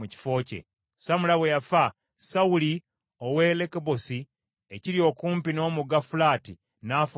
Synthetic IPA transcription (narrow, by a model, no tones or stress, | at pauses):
uci̥fo̞ːce̞̰ | samulaβejafa | sauli | owe̞lekebosi | eciɾjo̞ːkuːmpino̞ːmuɡafulaːti | naf